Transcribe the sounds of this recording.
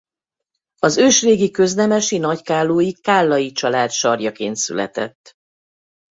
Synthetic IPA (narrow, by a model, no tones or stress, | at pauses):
ɒzøːʃreːɡikø̞znɛmɛʃinɒckaːlːoːjikaːlːɒjit͡ʃɒlaːt̪ʃɒrjɒkḛːnt̪sy̰lɛ̰t̪ɛ̰t̪ː